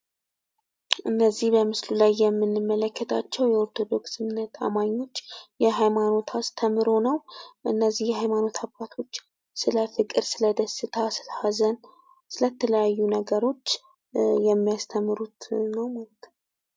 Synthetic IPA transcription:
ʔɨnːəzːihbəmɨslulajːɛmːɨnːɨmːələkːət̪ʰa̰t͡ʃːɛwjɛo̞ɾt̪ʰo̞d̪o̞ksɨmɨnːət̪ʰʼa̰maɲːo̞t͡ʃːjɛɦajmano̞t̪ʰast̪ʰəmɨɾo̞nəwʔɨnːəzːihjɛɦajmano̞t̪ʰabat̪ʰo̞t͡ʃː | sɨləfɨkʼɨɾsɨləd̪əsɨt̪ʰasɨlhazən | sɨlət̪ʰːələjajːunəɡəɾo̞t͡ʃː | jɛmːijast̪ʰəmːɨɾut̪nəwmalət̪

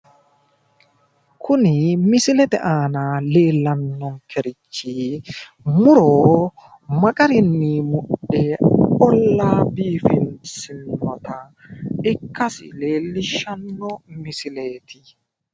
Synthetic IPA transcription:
kʰʊnɪmɪsɪlɛt̪ɛ̰ʔaːnale̞ːlːɐnːɔŋkʰɛɾɪt͡ʃːi | mʊɾoː | mɐkʼɐɾɪnːɪmʊɗɛɔlːaːbiːfɪnsɪnːɔt̪ɐ | ɪkːɐsɪ̰leːlːɪʃɐnːɔmɪsɪleːt̪ʰɪ

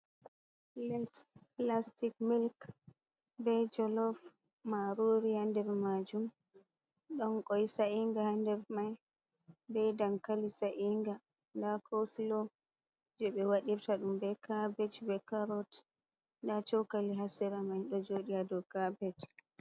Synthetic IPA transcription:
lɛtplastikmilk | bɛd͡ʒɔlɔf | maɾoɾihandɛɾmad͡ʒum | ɗɔnkɔjsaiŋɡahandɛɾmaj | bɛjdaŋkalisaʔiŋɡa | ndakʰowsilɔ | d͡ʒɛɓɛwaɗiɾtaɗumbɛkabɛt͡ʃbɛkaɾɔt | ndat͡ʃɔwkaliɦasɛɾamajɗɔd͡ʒoɗiadɔkabɛt͡ʃ

